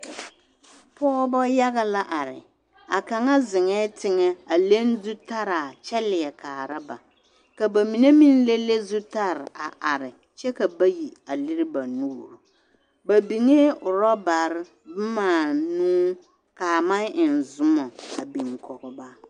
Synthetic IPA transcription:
pɔː˦bɔ˦ja˦ɣa˦la˦ʔa˨ɾɪ̰˨ | a˨ka˨ŋa˦zɪ˨ŋɛ˦tɪ˦ŋɛ˦a˨le˦n˦du˦ta˦ɾa˨t͡ʃɛ˦lɪ˨ɛ˨kaː˨ɾa˦ba̰˨ | ka˨ba˨mi˨ne˦mi˦n˦le˦le˦zu˦ta˦ɾɪ˨a˨ʔa˨ɾɪ˨ | t͡ʃɛ˦ka˨ba˦ji˨a˨lɪ˦ɾɪ˦ba˨nuː˦ɾu˨ | ba˨bi˨ŋe˦ʊ˨ɾɔ˦ba˨ɾɪ˦ | bʊ˦maː˨nuː˦ | ka˨ma˦nɪ˨n˨zʊ˦mɔ˨a˨bi˨ŋkʰɔ˨ɡɔ˨ba˦

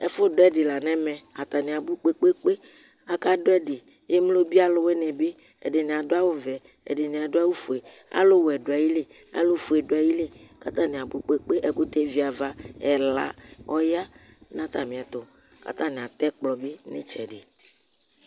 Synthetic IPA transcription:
ɛ̰˦fʊ˦do˦ɛ˦ɖɪ˨la˨nɛ̃˦mɛ̃˨a˨t̪a˨nĩ˨a˨bu˦k͡pe˦k͡pe˦k͡pe˦ | a˦ka˦do˦ɛ˦dɪ˨˦ | je˦m˦lo˦bi˦a˦lʊ˦wɛ˦nɛ̃˨be˦ | ɛ̰˨ɖe˨nẽ˨a˨do˦a˦wo˦vɛ˨ | ɛ̰˨ɖe˨nẽ˨a˨do˦a˦wu˦fu˨e˨ | a̰˦lo˦wɛ˨ɖo˨a˨ji˦le˦ | a̰˦lo˦fu˨e˨ɖo˨a˨ji˦le˦ka˦t̪ã˦nĩ˨a˨bu˦k͡pe˦k͡pe˦ʔɛ˨ku˦t̪e˦vi˨˦a˨va˦ɛ˨la̰˨ɔ˦ja˦ | nã˦t̪a˨mĩ˨a˨t̪o˨ | ka̰˨t̪ã˦ne˨a˨t̪ɛ˦k͡plɔ˨be˦nḛ˦t͡ʃɛ˨ɖɪ˨

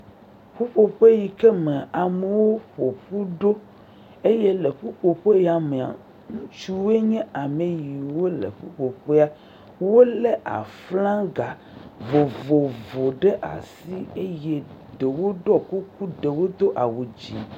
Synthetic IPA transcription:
ɸu˦ɸo˨ɸe˦ji˨kɛ˦mẽ˨a˨me˨wo˦ɸo˨ɸu˦ɖo˦ | e˦je˦le˨ɸu˦ɸo˨ɸe˦ja˨mẽ˨a̰˨ | ŋũ˦t͡ʃu˦we˦ɲɛ̃˦a˨me˨ji˨wo˦lḛ˨ɸu˦ɸo˨ɸe˦a˦ | wo˦le˦ʔa̰˨flã˦ɡa˨ | vo˨vo˨vo˨ɖe˦ʔa̰˨si˦e˦je˦ɖe˨wo˦ɖɔ˦ku˦ku˦ɖe˨wo˦d̪o˦ʔa˨wo˨d͡ʑi˨

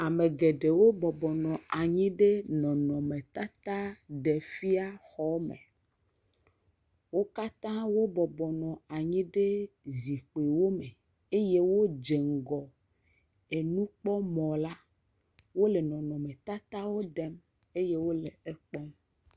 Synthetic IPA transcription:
a˨me˨ɡe˨ɖe˨wo˦bɔ˨bɔ˨nɔ̃˨a˨ɲĩ˦ɖe˦nɔ̃˨nɔ̃˨me˨t̪a˦t̪a˦ɖe˨fi˦a˦xɔ˦mḛ̃˨ | wo˦ka˦t̪ã˦wo˦bɔ˨bɔ˨nɔ̃˨a˨ɲĩ˦ɖe˦ | zi˨k͡pe˨wo˦me˨ | e˦je˦wo˦d͡ʒe˨ŋ˨ɡɔ˨ | e˨nũ˦k͡pɔ˦mɔ̃˨la˦ | wo˦le˨nɔ̃˨nɔ̃˨mẽ˨t̪a˦t̪a˦wo˦ɖɛ˦m | e˦je˦wo˦le˨e˦k͡pɔ˦m

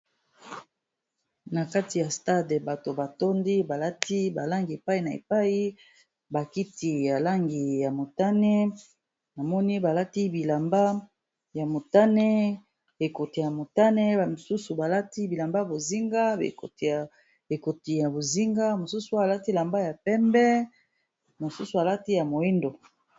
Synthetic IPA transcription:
na˨ka˦ti˨ja˨sta˦dba˨to˨ba˨to˦ndi˦ba˨la˦ti˦ba˨la˦ŋɡe˨pa˦i˨na˨ḛ˨pa˦ji˦ | ba˨ki˦ti˨ja˨la˦ŋɡi˨ja˨mo˨ta˦nɛ˦ | na˨mɔ˦ni˦ba˨la˦ti˦bi˨la˨mba˦ | ja˨mo˨ta˦nɛ˦ | e˨ko˨ti˨ja˨mo˨ta˦ne˦ba˨mo˨su˦su˨ba˨la˦ti˦bi˨la˨mba˦a˨bo˨zi˦ŋɡa˦ḛ˨ko̰˨ti˨a˨ | e˨ko˨ti˨ja˨bo˨zi˦ŋɡa˦mo˨su˦su˦˨la˦ti˦˨la˨mba˦ja˨pɛ˦mbɛ˦ | mo˨su˦su˨a˨la˦ti˦ja˨mo˨i˦ndo˨

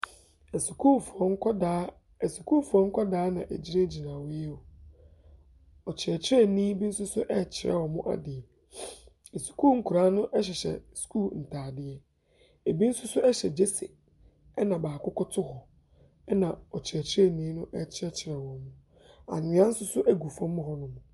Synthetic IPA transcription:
ɛ˨su˨kʰu˦fɔ˦ŋ̩˦kʰɔ˦da˨˦ | ɛ˨su˨kʰuː˦˨fu˨ɔ̃˨˦ŋ̩˦kʰɔ˦daː˦nã̰˨ʔæ̰˨d͡ʑi˦ɾe˦d͡ʑi˨nã˨wɪ˦ɛ˦o˨ | ɔ˨t͡ɕʰɪ˨ɾɛ˨t͡ɕʰɪ˦ɾɛ˦nĩː˦bi˦n̩˦sʊ˦sʊ˦ʔɛ˦˨t͡ɕʰɪ˨ɾɛ̰˦˨wɔ˨mʊ̃˦ʔa̰˨dɪ˨ɛ˨ | ɛ˨su̥˨kʰuː˦˨ŋ̩˨kʰu˨ɾaː˦nʊ̃˦ʔɛ˦ɕ̬ɛ˨ɕɛ̰˨skʰu˦ln̩˨tʰaː˨dɪ˨ɛ˦ | e˨bi˦n̩˦sʊ˦sʊ˦ɛ˦ɕɛ˨d͡ʑe˦se˨ | ɛ˦nã˨baː˨kʊ˦kʰʊ˦tʰʊ˦hɔ˨ | ɛ˦nã˨ɔ˨t͡ɕʰɪ˨ɾɛ˨t͡ɕʰɪ˦ɾɛ˦nĩː˦nʊ̃˦ʔɛ˦˨t͡ɕʰɪ˦ɛ˦t͡ɕʰɪ˨ɾɛ˨wɔ̃˨mmʊ̃˦ | a̰˨nɪ̃˨˦ã˦n̩˦sʊ˦sʊ˦ʔæ˦ɡu˨fɔ̃˦m˦mʊ̃˦ɦɔ˦nʊ̃˦mʊ̃˨

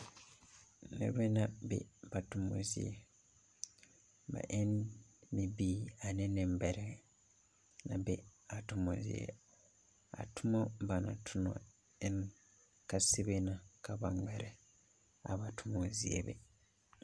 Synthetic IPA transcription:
nḛ˨˦βe˦na˦bḛ˦ba˨tu˨mo̰˨zie˨ | ba̰˨ʔe˦nmi˨bi˦a˨ne˦ne˨mbe˨ɾe | na˨be˦a˨tumo̰˨ziḛ˨ | a̰˨tu˦mo˦ba˨na˨tʰu˦no̰˨ | en | ka˦si˦βena˨ka˨βa˨ŋɡwe˨ɾe˨ | a̰˨βa˨tumo˨ziḛ˨βḛ˦

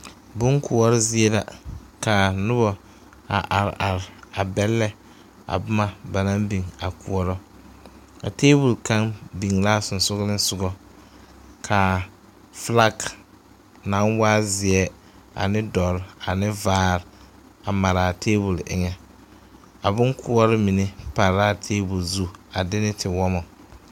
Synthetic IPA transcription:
bʊ˦ŋkʰʊ˨ɔ˦ɾɪ˦zɪ˦ɛ˦la˨ka˨nʊ˦bɔ˨ | a˨ʔa˨ɾ̰ʔa˨ɾɪ˨a˨bɛ˦lːɛ˦ | a̰˨bʊ˦ma˨ba˨na˦mbi˨ŋa˨kṵ˨ɔ˨ɾɔ˦ | a̰˨teː˦bu˨lka˦ŋbi˨ŋla˦sʊ˨n˨sʊ˦ɣlɪ˦n˦sʊ˨ɡɔ˦ | kʰa˨ | fla˦ɡ | na˦nwaː˦zɪ˨ɛ˦ | a̰˨nɪ˦dɔ˨ɾa˨nɪ˦vaː˦ɾ | a˨ma˨ɾa˨tʰeː˦bu˨lɪ̰˨ŋɛ˦ | a˨bʊ˦ŋkʰʊ˦ɔ˦ɾɔ˦mi˨ne˦pa˨ɾa˦˨tʰeː˦bʊ˨lzu˦a˨dɪ˦nɪ˦tʰɪ˨wɔ˦mɔ˨

